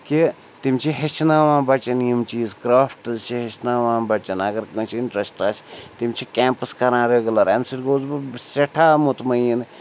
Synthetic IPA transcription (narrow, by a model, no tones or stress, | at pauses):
ki | t̪imt͡ʃʰiɦɐʃʰnaːʋãːbɐt͡ʃɐnjimt͡ʃiːzkɾaːfʰʈɐzt͡ʃʰiɦɐt͡ʃnaːʋãːbɐt͡ʃɐnɐɡɐɾkɐ̃t͡ʃʰiɳʈɾɐsʈat͡ʃt̪imt͡ʃʰikʲeːmpəskɐɾãːɾeɡɐlɐɾemsiɾɡoːzbɨseʈʰaːmut̪mɐjin